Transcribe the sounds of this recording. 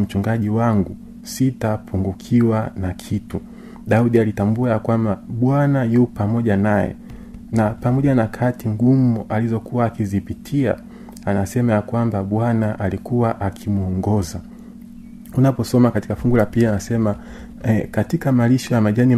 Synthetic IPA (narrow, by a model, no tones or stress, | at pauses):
m̩t͡ʃuŋɡaʄiwaŋɡu | sitapʰuŋɡukʰiwanakʰitu | ɗauɗialitambuajakwambaɓwanajupamɔʄanajɛ̰ | napamɔʄanakʰatiŋɡumuʔalizɔkuwaːkizipitʰia̰ | anasɛmajakwambaɓwanaʔalikuwaʔakʰimuɔŋɡɔza | unapɔsɔmakati̥kafuŋɡulapianasɛma | katikamaliʃɔjamaʄani